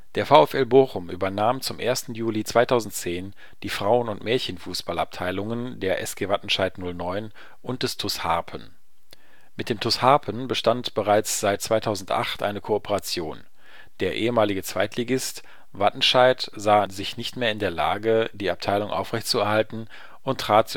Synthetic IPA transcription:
d̥eːɐfaʊɛfɛlboːχʊmʔyːbɐnaːmt͡sʊmʔeːɐstn̩juːlit͡sv̥aɪtʰaʊzn̩tt͡seːn | d̥iːfʁ̥aʊənʊntmɛːɐçənfuːsb̥ala̰p̚tʰaɪlʊŋəndeːɐʔɛsɡ̥eːvatn̩ʃaɪtnʊlnɔʏn | ʔʊnt̚d̥ɛstʰʊsha̰ɐpʰən | mɪt̚d̥eːmtʰʊshaɐpʰənbəʃtantb̥əʁaɪt͡sz̥aɪt̚t͡sv̥aɪtʰaʊzn̩tʔa̰χtʔa̰ɪnəkʰoopʰəʁat͡sjoːn | d̥eːɐʔeːəmaːlɪɡət͡sv̥aɪtʰliɡɪst | vatn̩ʃaɪtzaːzɪçnɪçtmeːɐɪndeːɐla̰ːɡədiːap̚tʰaɪlʊŋʔa̰ʊfʁ̥ɛçtt͡suɛɐhaltn̩ | ʔʊntʁ̥aːt̚t͡s

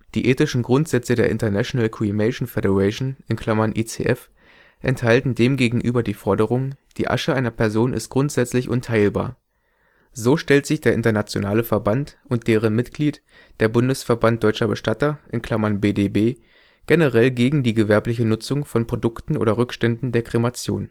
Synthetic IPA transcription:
d̥iːʔeːtɪʃn̩ɡʁʊntz̥ɛt͡sədeːɐʔɪ̰ntɐnaʃonalkʰimɛʃn̩fɛɾəʁɛʃnɪnkʰl̥amɐnʔḭːt͡sḛːʔɛf | ʔɛnthaltn̩deːmɡeːɡŋ̩ʔyːbɐdiːfɔɐdəʁ̞ʊŋd̥iːʔa̰ʃəʔaɪnɐpʰɛɐzoːnʔɪ̰st̚ɡ̥ʁʊntz̥ɛt͡slɪçʔʊ̰ntʰaɪlba̰ːɐ | zoːʃtɛltz̥ɪçd̥eːɐʔɪntɐnat͡sjo̰naːləfɛɐbantʔʊnt̚d̥eːʁ̞ənmɪtɡ̥liːt | d̥eːɐbʊndəsfɛɐbant̚d̥ɔʏt͡ʃɐbəʃtatɐʔɪnkʰl̥amɐnbeːdeːbeː | ɡ̥enəʁɛlɡeːɡŋ̩diːɡəvɛɐplɪçənʊt͡sʊŋfɔnpʁ̥odʊktn̩ʔo̰ːɾɐʁʏkʃtɛndn̩deːɐkʁ̥emat͡sjo̰ːn

